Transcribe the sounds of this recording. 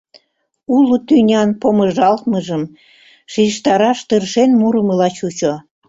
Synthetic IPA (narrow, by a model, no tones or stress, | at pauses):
ulut̪ynʲɑnpoməʒɑlt̪məʒəm | ʃiʃt̪ɑɾɑʃt̪ərʃenmuɾəməlɑt͡ɕut͡ɕo